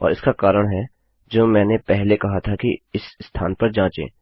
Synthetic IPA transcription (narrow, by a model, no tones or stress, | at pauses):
ɔ̰ːɾɪskakaːɾəɽ̃ɦɛ | d͡ʒoːmɛ̃ːnepɛɦlekɐɦat̪ʰakiɪsst̪ʰaːnpɐɾd͡ʒãːt͡ʃḛ̃ː